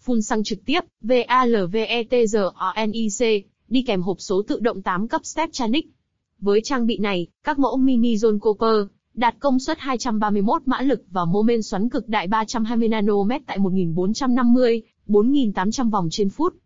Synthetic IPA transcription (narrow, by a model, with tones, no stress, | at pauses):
fu˧nsa˧ŋt͡ɕɨ˨˩k̚t̪i˦˥əp̚ve˧ʔaː˧ləː˨˩ve˧ʔɛ˧t̪e˧zəː˨˩ʔɔ˧ʔɛ˧nʔi˧se˧ | ɗi˧kɛ˨˩mɦo˨˩p̚so˨˦t̪ɨ̰˧˨ɗə̰˧˨wŋ͡mt̪aː˨˦mkə˦˥p̚st̪ɛ˦˥p̚t͡ɕaː˧nï˦˥k̟̚ | vəː˨˦jt͡ɕaː˧ŋɓḭ˧˨na˨˩jkaː˦˥k̚mo̰˧˥mi˧ni˧zo˧nko˧pəː˧ | ɗaː˨˩t̚kə˧wŋ͡mswə˦˥t̚haː˧jt͡ɕa˧mɓaː˧mɨ˧əjmo˦˥t̚ma̰ː˧˥lɨ˨˩k̚vaː˨˩mo˧me˧nswa˨˦nkɨ˨˩k̚ɗa̰ː˧˨jɓaː˧t͡ɕa˧mɦaː˧jmɨ˧əjnaː˧no˧mɛ˦˥t̚t̪a̰ː˧˨jmo˨˩t̚ŋi˨˩nɓo˨˦nt͡ɕa˧mna˧mːɨ˧əj | ɓo˨˦nŋi˨˩nt̪aː˨˦mt͡ɕa˧mva˨˩wŋ͡mt͡ɕe˧nfu˦˥t̚